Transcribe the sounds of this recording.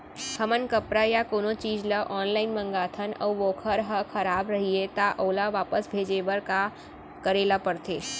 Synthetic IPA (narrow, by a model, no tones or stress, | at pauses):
hʰəmənkəpɾajakoːnõt͡ʃiːd͡ʒləʔɔːnlaːɪnmə̃ŋɡaːt̪ʰənə̰ʋʋoːkʰəɾɦəkʰɐɾaːbɾɐɦiet̪aʔoːlaʋaːpəsbʱeːd͡ʒeːʋəɾka | kəɾeːlapəɽt̪eː